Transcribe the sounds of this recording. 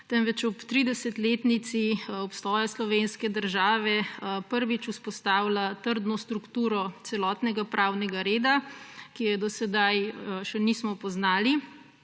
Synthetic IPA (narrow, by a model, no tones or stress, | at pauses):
t̪ɛnʋɛt͡ʃɔpt̪ɾid̪ɛsɛt̪leːt̪nit̪siɔpst̪ɔːjɛslɔʋenskɛd̪əɾʒaːʋɛpəɾʋit͡ʃuspɔst̪aːwlat̪əɾd̪nɔst̪ɾukt̪uːɾɔt̪sɛlɔːt̪nɛɡapɾaːwnɛɡaɾeːd̪akijɛd̪ɔsɛd̪ajʃɛniːsmɔpɔznaːli